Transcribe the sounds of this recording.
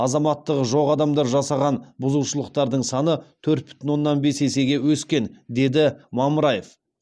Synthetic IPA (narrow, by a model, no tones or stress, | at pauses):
ɑzɑmɑt̪ːəqʒo̞ʁɑd̪ɑmd̪ɑɾʒɑsɑʁɑnbʊzuwʃəlˠəq̚t̪ɑɾd̪əɴsɑnət̪ʰɵɾt̪̚bʏ̥t̪ɪnwo̞nːɑnbe̞se̞se̞ɡʲe̞wɵskʲe̞nd̪e̞d̪ɪmɑməɾɑjef